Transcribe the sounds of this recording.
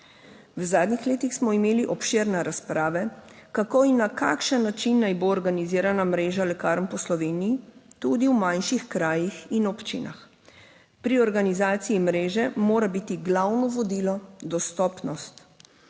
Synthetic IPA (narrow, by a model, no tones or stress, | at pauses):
wzaːd̪nixleːt̪ixsmɔimeːliʔɔpʃeɾnɛɾaspɾaːʋɛkakoinːaka̰ːkʃənːat͡ʃinːajboɔɾɡaniziːɾanamɾeːʒalɛkaːɾmpɔslɔʋeːnijit̪ud̪iwmajnʃixkɾaːjixinɔpt͡ʃḭna̰x | pɾiɔɾɡanizaːt̪siimɾeːʒɛmoːɾabit̪iɡlawnɔʋɔd̪ilɔd̪ɔst̪ɔːpnɔst̪